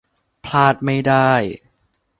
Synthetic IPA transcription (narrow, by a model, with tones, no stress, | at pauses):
pʰlaː˥˩t̪̚ma˥˩jdaː˥˩j